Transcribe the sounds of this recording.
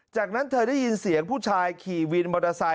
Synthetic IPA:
t͡ɕaː˨˩k̚na˦˥nt̪ʰɤː˧ɾa˥˩ji˧nsi˨˩˦əŋpʰuː˥˩t͡ɕʰaː˧jkʰiː˨˩wi˧nbɔ˧da˧sa˧

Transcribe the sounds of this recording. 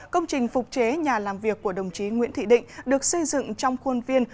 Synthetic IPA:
kə˧wŋ͡mt͡ɕï˨˩ŋ̟fʊ˨˩k͡p̚t͡ɕe˨˦ɲaː˨˩laː˨˩mvi˨˩əkːu˧˩əɗə˨˩wŋ͡mt͡ɕi˨˦ŋwḭ˧˥ənt̪ʰḭ˧˨ɗḭ̈˧˨ŋ̟ɗɨ˨˩ək̚sə˧jzɨ̰˧˨ŋt͡ɕɔ˧wŋ͡mxwu˧nvi˧ən

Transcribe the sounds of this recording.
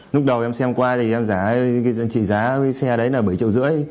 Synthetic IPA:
lʊ˦˥k͡p̚ɗə˨˩wʔɛ˧msɛ˧mkwaː˧t̪ʰi˨˩ʔɛ˧mzaː˧˩˨kːzə̰˧˨nt͡ɕḭ˧˨zaː˨˦˧sɛ˧ə˩ɗə˨˦jnəː˧˩ɓə˧˩jt͡ɕḭ˧˨wzɨ̰˧˥əj

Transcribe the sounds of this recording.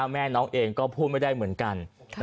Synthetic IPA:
mɛː˥˩nɔː˦˥ŋʔeː˧ŋkɔː˥˩pʰuː˥˩t̪̚ma˥˩jda˥˩jmɯ˩˦ənka˧n

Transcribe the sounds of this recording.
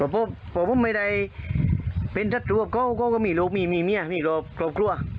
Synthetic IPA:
kɔ˧˩pɔ˧˩pɔː˧˩pɔ˧˥˨mːa˧˩jda˧˩j | pe˧˨ntʰa˧˩t̪̚ɾu˧˩˨p̚kɔ˧˥˨wkːwka˧˨miː˧˩˨loː˧k̚miː˧˩˨miː˧˩˨mi˧˥a˨miː˧˩kɔː˧˩p̚klɔː˧p̚kʰlu˧˨ɐ˨

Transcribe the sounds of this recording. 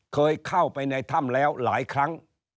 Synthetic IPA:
kʰɤː˧jkʰa˥˩wpa˧jna˧jt̪ʰa˥˩mlɛː˦˥wlaː˩˦jkʰɾa˦˥ŋ

